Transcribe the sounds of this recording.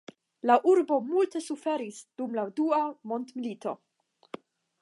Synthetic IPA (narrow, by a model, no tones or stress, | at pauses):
laʔuɾbo̞multe̞sufe̞ɾisd̥umladuamo̞ntmilito̞̰